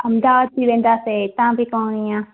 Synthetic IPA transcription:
ɐmd̪aʋad̪̚piʋẽːnd̪aset̪ãːbʱikõːnijãː

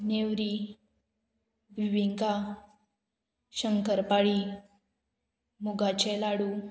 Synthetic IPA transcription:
neʋɾi | bʱiʋiŋka | ɕəŋkəɾpaɭi | muɡat͡ɕɛlaɽu

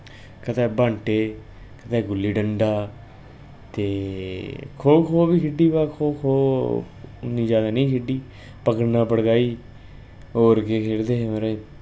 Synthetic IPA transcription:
kət̪aːbaɳʈeː | kət̪ɛːɡʊlːiːɖəɳɖaː | t̪eː | kʰoːkʰoːbiːkʰɪɖiːbaːkʰoːkʰoː | nːĩːd͡ʒaːd̪aːnəĩːkʰɪɖiː | pəkəɽnãːpəɽɡaːiː | oːɾkeːkʰeːɽd̪eːməɾeː

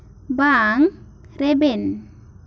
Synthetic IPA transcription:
baːŋ | ɾeben

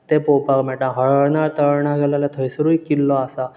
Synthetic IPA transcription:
t̪epopakmɛʈãɦəɭəɭnaɾt̪əɾɳaɡʱɛlaljat̪ʰəjsɾuikːilːɔasa

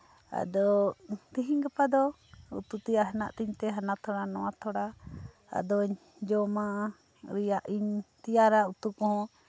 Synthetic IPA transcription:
a̰d̪ɔt̪iɦiɲɡapad̪ɔ | ṵt̪ut̪ijaʔɦanaʔt̪iɲt̪ɛɦanat̪ʰɔɽanɔwat̪ʰɔɽa | a̰d̪ɔɲ | d͡ʒɔma | ɾijaʔiɲt̪ijaɾaut̪ukɔ̃ɦɔ̃

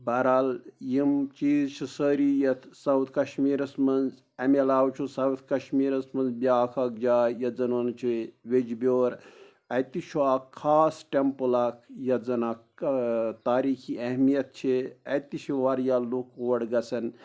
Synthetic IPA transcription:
bɐɾaːljimt͡ʃiːzt͡ʃʰisəːɾiːjɐt̪ʰsɐwt̪ʰkɐʃmiːɾɐsmɐnz | ɐmelaːwt͡ʃʰusɐwt̪ʰkɐʃmiːɾɐsmɐnzbʲaːkʰɐk̚d͡ʒaːjɐzɐnont͡ʃʰiʋed͡ʒbʲoːɾ | ɐt̪it͡ʃʰuaːkʰːaːsʈempulaːkʰjɐzɐnaːk | t̪aːɾiːkʰiʔɐɦmijɐt̪̚t͡ʃʰiɐt̪it͡ʃʰiʋaɾjaːlukʰoːɐɽɡɐsɐn

